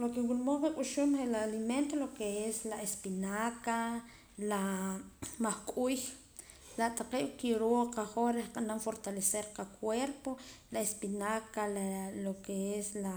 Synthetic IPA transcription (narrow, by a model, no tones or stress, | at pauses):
lokewulmoqekʼuʃumχelaːliment̪olokeeslaespinaka | la | maχkʼuːj | laʔt̪ʼaqeːʔkiɾoqaχoɾehqʼanamfoɾt̪aleseɾqakʰweɾpolaespinakalalokeesla